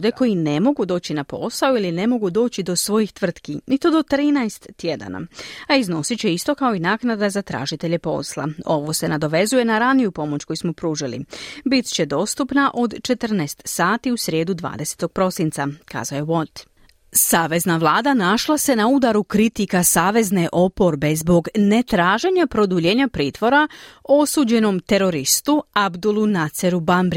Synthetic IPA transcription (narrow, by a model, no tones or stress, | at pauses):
d̪e̞ko̞jine̞mo̞ɡud̪o̞ːt͡ɕinapo̞̰saoiline̞mo̞ɡud̪o̞ːt͡ɕid̪o̞sʋo̞jixt̪ʋr̩t̪kinit̪o̞d̪o̞t̪ɾiːnajst̪ːje̞d̪a̰na̰aizno̞sit͡ɕe̞ist̪o̞kao̞inaːknad̪azat̪ɾa̰ːʒit̪e̞ʎe̞po̞̰slˠa̰o̞ʋo̞se̞nad̪o̞ʋe̞zuje̞naɾanijupo̞mo̞t͡ɕko̞jismo̞pɾuːʒilḭbit̪t͡ɕe̞d̪o̞ːst̪upnaʔo̞d̪t͡ʃe̞t̪r̩nast̪saːt̪iusɾje̞ːd̪ud̪ʋa̰ːd̪e̞se̥t̪o̞ɡ̥̚pɾo̞sint̪saka̰ːzaoje̞ʋo̞t̪ | saːʋe̞znaʋlˠaːd̪anaʃlˠase̞naud̪aɾukɾit̪ikasaːʋe̞zne̞ʔo̞po̞ɾbe̞zbo̞ɡne̞t̪ɾaːʒe̞ɲapɾo̞d̪uʎeːɲapɾiːt̪ʋo̞ɾao̞suːd͡ʑe̞no̞mt̪e̞ɾo̞ɾist̪uabd̪ulˠunat̪seɾubambɾ